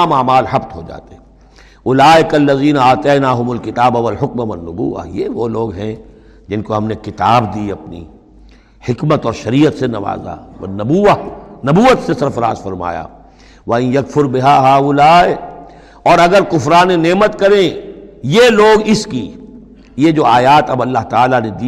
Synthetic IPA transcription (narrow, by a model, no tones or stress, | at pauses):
maːmaːlɦɐbt̪ɦoːd͡ʒa̰ːt̪eɦɛ | ʊlaːɪkɐlːɐziːnaaːt̪ɛːnaːɦʊmʊlkɪt̪aːbawɐlħʊkmaʋɐnːʊbṵːʋa̰jeʋoːloːɡɦɛ̃ | d͡ʒɪnkoɦɐmnekɪt̪aːbd̪iːɐpnḭ | hɪkmət̪ɔːɾʃɐɾiːət̪senɐʋa̰ːza̰ɐ̰nɐbuːanɐbuːət̪sesɐɾfɐɾa̰ːzfɐɾma̰ːja̰ː | ʋɐɪ̃jjɐkfʊɾbɪɦaːɦaːʊlaːe | ɔːɾɐɡəɾkʊfɾaːneneːmət̪kɐɾẽjeloːɡɪski | jed͡ʒoːaːjaːt̪ɐbɐlːaɦt̪ɐaːlaned̪iː